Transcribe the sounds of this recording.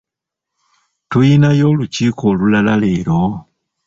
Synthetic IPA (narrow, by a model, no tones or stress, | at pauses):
tujinajolucikʰolulalaleːlo